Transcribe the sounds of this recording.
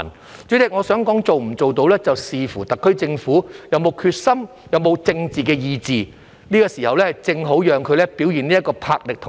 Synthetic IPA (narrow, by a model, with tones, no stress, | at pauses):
n | t͡ʃy˨˥t̪ɪ˨k̚ŋɔː˨˧sœː˨˥ŋkɔː˨˥ŋt͡so˨wm̩˨˩t͡so˨wt̪o˧wlɛː˥t͡sɐ˨wsiː˨fuː˨˩t̪ɐ˨kʰːɵ˥ɥt͡sɪ˧ŋfuː˨˥jɐ˨˧wmo˨˧wkʰyː˧t̚sɐ˥m | jɐ˨˧wmo˨˧wt͡sɪ˧ŋt͡siː˨˩kɛː˧jiː˧t͡siː˨ | niː˥kɔː˧siː˨˩hɐ˨wlɛː˥hɐ˨jt͡sɪ˧ŋɦo˨˥wjœː˨ŋkʰɵ˨˧lɛ˥pi˨˥wjiː˨˩niː˥jɐ˥kːɔː˧pʰaː˧k̚lɪ˨k̚t̪ʰ